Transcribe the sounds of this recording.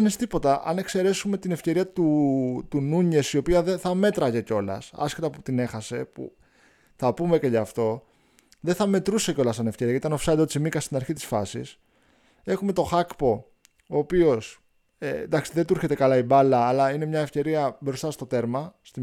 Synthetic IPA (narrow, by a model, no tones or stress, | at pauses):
nist̪ipo̞t̪ɐʔɐ̰ne̞kse̞ɾe̞sume̞t̪ine̞fce̞ɾiɐt̪ut̪unuɲe̞sio̞piɐðenθɐme̞t̪ɾɐʝe̞ceo̞lɐ̰sɐ̰scet̪ɐput̪ine̞xɐse̞pṵ | θɐpume̞ceʎɐft̪o̞ | ðeθɐme̞t̪ɾuseceo̞lɐsɐne̞fce̞ɾiɐtit̪ɐnofsɐd̪ot̪simikɐst̪inɐɾçit̪i̥sfɐsḭs | e̞xume̞t̪o̞xɐkpo̞ | oːpio̞s | end̪ɐksiðet̪uɾçe̞t̪e̞kɐlɐibɐlɐːlɐine̞mɲɐe̞fce̞ɾiɐbɾo̞st̪ɐst̪o̞t̪e̞ɾmɐst̪i